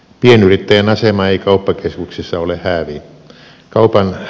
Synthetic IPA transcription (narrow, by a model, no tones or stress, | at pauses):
pienyrit̪ːæjænɑsemɑeikɑupːɑkeskuksesːɑolehhæːʋi | kɑupɑn